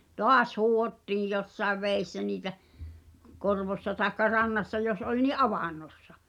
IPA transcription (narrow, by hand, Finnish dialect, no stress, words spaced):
toɑs huːhotːiːj josːɑeʋ ʋeˑisːæ niːtæ korʋosːɑ tɑekːɑ rɑnːɑsːɑ jos olʲ ni ʔɑʋɑˑnˑosːɑ